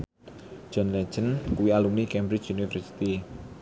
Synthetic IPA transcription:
d͡ʒ̥ɔnlɛ̥d͡ʒ̥ənkuwialumnikɛmbɾɪt͡ʃunifərsi̥t̪i

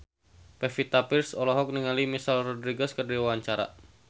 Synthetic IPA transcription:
pɛfit̪apirsɔlɔɦɔk̚niŋalimisalrɔdɾiɡɛskərdiwwaɲt͡ʃaɾa̰

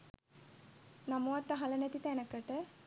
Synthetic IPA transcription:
nɐmowɐt̪ːɐɦɐlɐnet̪it̪ɛnɐkɐʈə

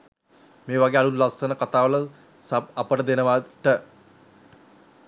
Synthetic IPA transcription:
meːʋaɡealulːasənəkat̪aːʋələ | sap̚apəʈəd̪enəʋaʈə

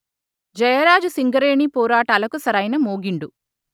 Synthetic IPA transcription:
d͡ʒɐjɐɾaːd͡ʒusiŋɡɐɾeːɳiːpɔːɾaːʈaːlɐkusɐɾɐjnɐmoːɡiɳɖu

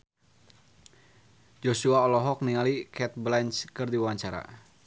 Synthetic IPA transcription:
d͡ʒosuaɔlɔɦɔk̚niŋalikɛt̪̚blɛnt͡ʃkɨrdiwawaɲt͡ʃaɾa̰

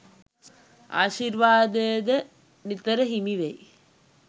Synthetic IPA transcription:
a̰ːʃiɾʋaːd̪əjəd̪ə | nit̪əɾəɦimiʋej

